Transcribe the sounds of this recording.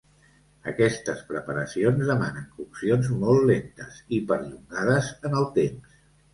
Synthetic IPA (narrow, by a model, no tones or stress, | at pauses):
ə̰kɛst̪əspɾəpəɾəsionzðəmanəŋkusionzmɔlˠtlent̪əzipəɾʎuŋɡað̞əzənəlˠt̪ems